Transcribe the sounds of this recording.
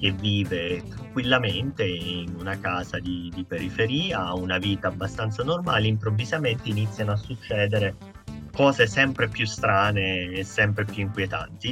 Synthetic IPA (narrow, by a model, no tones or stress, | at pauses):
k̟evːiːvet̪ɾaŋkwilːament̪einunakaːzad̪id̪ipeɾifeɾiːaunaviːt̪aːbːast̪ant̪sanormaːliimpɾovːizament̪einit̪sjanoasːut͡ʃːɛːd̪eɾe | kɔːzesɛmpɾepjust̪ɾaːneːsːɛmpɾepjuiŋkwjet̪a̰nt̪i